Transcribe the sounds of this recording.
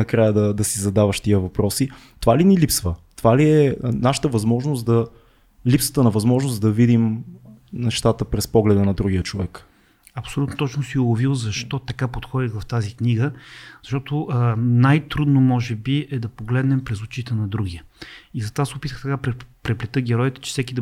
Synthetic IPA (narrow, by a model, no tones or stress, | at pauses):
ɐkɾajəd̪ɐd̪ɐsizɐd̪avəʃt̪iəvɐpɾɔsi | t̪ovalinilipsvət̪ovaliɛnaʃə̥t̪əvɐzmɔʒnosd̪ɐ | lipsə̥t̪ənɐvɐzmɔʒnosd̪ɐvid̪im | nɛʃt̪at̪əpɾɛspɔɡlɛd̪ənɐd̪ɾuɡijət͡ʃovɛk | ɐpsolʲut̪not̪ɔt͡ʃnosiʊɐvilˠzɐʃt̪ɔt̪ɐkapot̪xɔd̪iɣvɐft̪azikniɡəzɐʃt̪ɔt̪ʊnajt̪ɾud̪nomɔʒɛbiɛd̪ɐpoɡlɛd̪nɛmpɾɛzut͡ʃit̪ɛnɐd̪ɾuɡiəizɐt̪ovasɛopit̪əxt̪ɐkapɾɛpɾɛplʲɛt̪əɡʲɛɾɔjt̪ɛ̥t͡ʃɛ̥sɛkʲid̪ɐ